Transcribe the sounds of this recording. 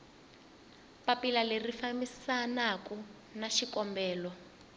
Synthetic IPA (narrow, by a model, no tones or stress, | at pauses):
papilalerifamisanaku | naʃikɔmbɛːlɔ